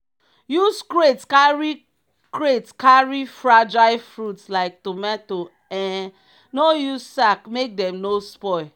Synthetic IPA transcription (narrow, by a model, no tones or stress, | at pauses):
juskɾetskaɹi | kɹetskaɹifɹad͡ʒaɪfɹutslaɪk̚tumɛto | ɛ̃ | nojuzsakmek̚dɛ̃mnospɔɪ